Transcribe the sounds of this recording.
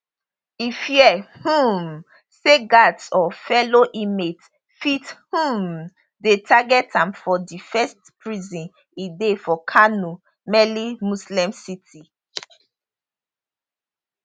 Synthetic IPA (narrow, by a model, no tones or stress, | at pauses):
ifjɛhũm | seɡatsɔfɛloʔimet | fithũm | detʰaɡɛtʰãmfɔdifɛstpɹizɔ̃n | idefɔkʰanu | mɛlimuslɛ̃msitʰi